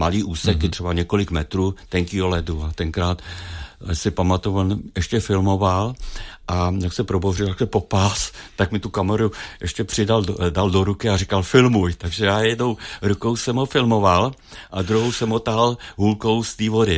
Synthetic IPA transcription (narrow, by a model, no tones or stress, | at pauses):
maliːʔuːsɛkɪt̪r̝̥ɛbaɲɛko̞lɪkmɛt̪ɾuːt̪ɛŋkiːolɛduat̪ɛŋkɾaːt̪ | sɪpamat̪uonʔɛʃcɛfɪlmo̞valʔajaksɛpɾoborɪlt̪akɛpo̞past̪akmɪt̪ukamɛɾuʔɛʃcɛpr̥ɪdaldaldoɾukɪarɪkalfɪlmujt̪aɡʒɛjaːjɛdnowɾuko̞wsɛmɦofɪlmo̞val | ʔad̪ɾuɦowsɛmɦot̪alɦulko̞wst̪iːvodɪ